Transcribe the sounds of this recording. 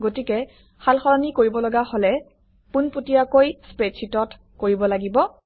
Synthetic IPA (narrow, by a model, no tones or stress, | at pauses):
ɡotikɛ | xalxɔɹanikoɹibɔlɔɡaholɛ | punpotijakojspɹetsʰitɔt | koɹibɔlaɡibɔ